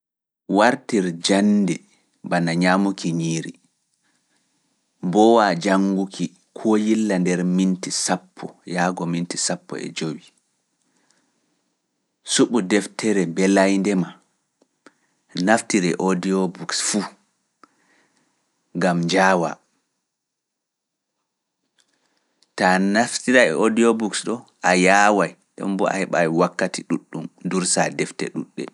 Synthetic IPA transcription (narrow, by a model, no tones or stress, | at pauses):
waɾtiɾd͡ʒanːdɛ | banaɲamukʰiɲiːɾi | bɔwad͡ʒaŋɡukʰi | kʰɔjilːandɛɾmintisapʰːɔ̰jaːɡɔmintisapːɔ̰ɛ̰d͡ʒowi | suɓudɛftʰɛɾɛbɛlajndɛma | naftiɾɛʔodiɔbuksfu | ŋɡamd͡ʒaːwa̰ | tanaftiɾaɛodiɔbuksɗɔʔajaːwaj | ɗɛ̰mbɔʔa̰hɛɓajwakːatiɗuɗːumduɾsadɛftɛ̰ɗuɗːɛ̰